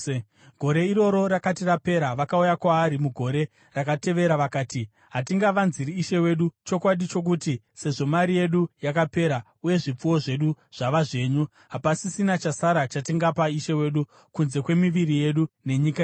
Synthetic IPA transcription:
ɡ̥ʱo̞ɾe̞iɾo̞ɾo̞ɾakatirape̞ɾaʋakaujakwaːɾimuɡʱo̞ɾe̞ | rakate̞ʋe̞ɾaʋakaːti | ɦatiŋɡaʋanziɾiːʃe̞we̞ɗut͡ʃo̞kwaɗit͡ʃo̞k̬uti | se̞ʐo̞maɾije̞ɗujakape̞ɾa | uje̞ʐip͡fuwo̞ʐe̞ɗuʐ̥aʋaʐe̞ːɲu | ɦapasisinat͡ʃasaɾat͡ʃatiŋɡapaiʃe̞we̞ːɗu | kunze̞kwe̞miʋirije̞ɗune̞ɲikae

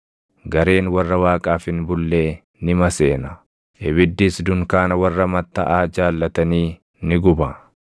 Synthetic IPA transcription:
ɡɐɾe̞ːnwɐrːɐwaːkʼaːfɪnbʊlːe̞ː | nɪmɐse̞ːnɐ | ʔɪβɪd̪ːɪsd̪ʊŋkaːnɐwɐrːɐmɐt̪ːɐʔaːd͡ʒaːlːɐt̪ɐniː | nɪɡʊbɐ

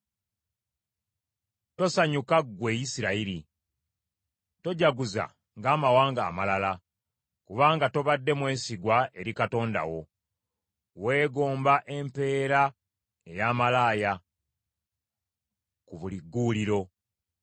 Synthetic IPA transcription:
to̞saɲukaɡwe̞jisiɾaiɾi | to̞ɟaɡuza̰ | ŋɡaːmawaːŋɡa̰ːmalala | kuβaːŋɡato̞βadːe̞mwe̞ːsiɡwae̞ɾikato̞ːnda̰wo̞ | we̞ːɡo̞ːmbaʔe̞mpe̞ːɾa | e̞jaːmalaːja | kuβuliɡːuːliɾo̞

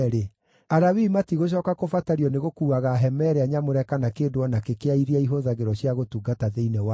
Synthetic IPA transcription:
ɾe | aɾawimatiɣoɕ̬ɔːkakofataɾiɔneɣokuːaɣaɦɛmɛɾeaɲamoɾɛkanakeːndoɔnakekeaiɾiaiɦoðaɣeɾɔɕjaɣotuːɡataðeinɛwa

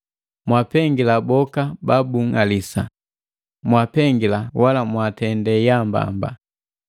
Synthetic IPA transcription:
mwapɛŋɡilabɔkababuŋalisa | mwapɛŋɡilawalamwatɛndɛjamba̰mba̰

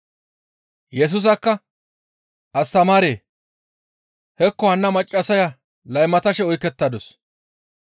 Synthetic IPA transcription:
jɛs̬ʊs̬ɐkːɐ | ʔɐst̪ɐmaːɾeː | hɛkːɔhɐnːɐmɐt͡ʃʼːɐsɐjɐ | lɐjmɐt̪ɐʃɛɔjkːɛt̪ːɐd̪ɔs

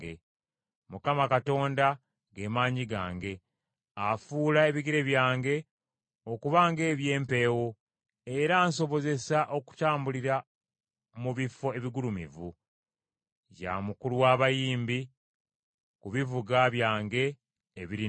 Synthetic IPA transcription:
ɡe | mukamakato̞ːnda | ɡe̞maːɲiɡaːŋɡe̞ | afuːlae̞βiɡiɾe̞βjaːŋɡe̞ | okuβaːŋɡe̞ːβje̞ːmpe̞ːwo̞ | e̞ɾaːnso̞βo̞ze̞saʔo̞ku̥taːmbuliɾa | muβifo̞e̞βiɡulumḭvu | ɟa̰mukuluwaːβajiːmbi | kuβivuɡaβjaːŋɡe̞ː | βiɾi

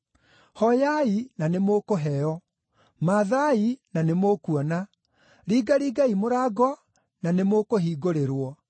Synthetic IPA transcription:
hɔjainanemokoɦɛɔ | maːðainanemoːkuɔna | ɾiːɡaɾiːɡaimoɾaːɡɔ | nanemoːkoɦiːɡoɾeɾwɔ

